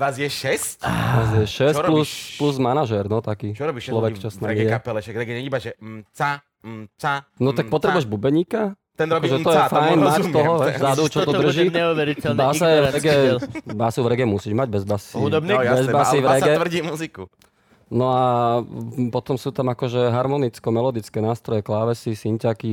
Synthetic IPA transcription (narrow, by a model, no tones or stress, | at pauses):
ʋazjɛʃɛsazjɛʃɛsɔɾlusppluzmanaʒɛɾnɔt̪akiːt͡ʃɔɾɔbiʃlɔʋɛkt͡ʃɔsnaɛmiɛɛapɛlɛʃaɡɾɛɡɛɲɛɲibaʒɛt͡sa | t͡sanɔt̪ak̚pɔt̪ɾɛbujɛʒbubɛɲiːkat̪ɛnɾɔbiʒɛt̪ɔjɛfajnmat̪ɔɦɔzad̪ut͡ʃɔt̪ɔdd̪r̩ʒiːɲɛuʋɛɾicɛlnbasaɛvɾɛɡɛːbasuvɾɛɡɛmusiːʒmaɟbɛzbasiud̪ɔbɲɛbɛzbasivɾɛɡɛr̩ɟiːmuziku | nɔa | pɔt̪ɔmsuːt̪amakɔʒɛɦaɾmɔnit͡skɔmɛlɔd̪it͡skɛːnaːst̪ɾɔjɛklaːʋɛsisiɲcaki